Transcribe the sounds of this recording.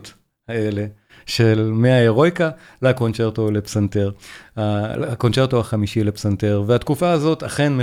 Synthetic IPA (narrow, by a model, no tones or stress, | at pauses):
t | haele̞ | ʃelmeaeʁo̞jka | lako̞nt͡ʃeʁt̪o̞lepsant̪eʁako̞nt͡ʃeʁt̪ohaχamiʃile̞psanteʁvehat̪kufaːzo̞taχe̞nme